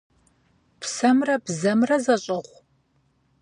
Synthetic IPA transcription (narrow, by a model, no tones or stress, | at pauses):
psɐmrɐbzɐmrɐzɐɕʼɐʁʷ